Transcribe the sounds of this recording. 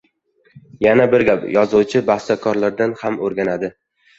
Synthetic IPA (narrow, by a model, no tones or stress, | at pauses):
janabɪɾɡʲapjɒzʊwt͡ʃʰɪbahst̪ʰakʰɒɾlaɾd̪anhamoɾɡʲanad̪ɪ